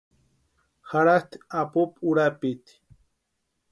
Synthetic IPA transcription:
xaɾat̪apupuɾapit̪

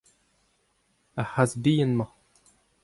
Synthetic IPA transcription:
aħasbijənmɑ

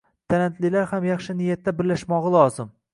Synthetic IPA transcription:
t̪ʰaɾant̪lɪlaɾhamjɑχʃɪnɪjat̪ːabɪɾlaʃmɒʁɨlˠɒzɪm

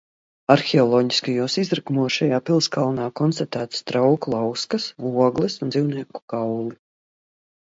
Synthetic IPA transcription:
aɾxɛɔlˠɔːɟi̥skajuːsizɾakumuɔsʃajaːpilˠskalˠnaːkɔnst̪at̪æːt̪st̪ɾawklˠawskasuɔɡlˠɛsund̪ziwniɛku̥ɡ̥awlˠi

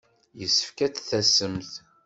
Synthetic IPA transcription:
jəsːə̥fkæt͡sθæsəmθ

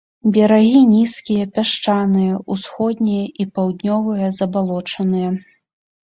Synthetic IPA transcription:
bʲɛɾaɣʲinʲiskʲijɐpʲaʂt͡ʂanɨjɐusxɔd̪ʲnʲɛjɐʔipawd̪ʲnʲɔvɨjɐzɐbalˠɔt͡ʂɐnɨjɐ

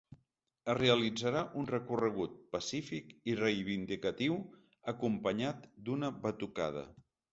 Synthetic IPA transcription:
əreəlid͡zəɾaʔunrəkurəɣ̞ut̪̚pəsifikirejβind̪ikət̪iw | əkumpəɲat̪d̪unəβət̪uka̰ð̞ə̰

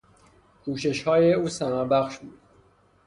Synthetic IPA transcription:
kʰuːʃe̞ʃhɒːjeuːsæmæɾbæxʃbuːd̪̥

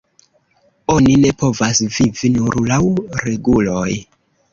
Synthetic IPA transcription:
o̞nine̞po̞vasvivinuɾlawɾe̞ɡulo̞j

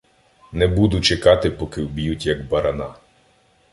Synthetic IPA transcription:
nɛbud̪ʊt͡ʃekɑt̪ɪpɔkɪwbʲijutʲjɐɡbɐɾɐnɑ

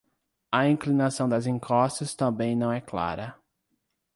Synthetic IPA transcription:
ɐĩŋklinasɐ̃w̃d̪ɐzĩkɔst̪ʊst̪ɐ̃mbẽj̃nɐ̃w̃ɛkla̰ɾɐ

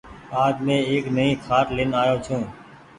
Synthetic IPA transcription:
aːd̪mẽːeːknəɦĩːkʰaːʈlɪːnaːjoːt͡ʃʰũː

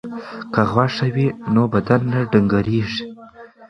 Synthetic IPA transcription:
kaɣwaʂawinobad̪anːaɖəŋɡaɾeʐi̥

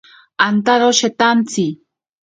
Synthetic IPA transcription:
ant̪aɾoʃet̪ant͡si

